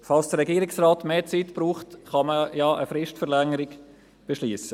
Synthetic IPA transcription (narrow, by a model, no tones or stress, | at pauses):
fɑlsd̥əɾɛɡiːɾɪksraːtmeːt͡sitb̥ɾuːχtχɑməjaːʔəfɾɪʃtfəʁlɛŋəɾɪɡ | b̥eʃliːsə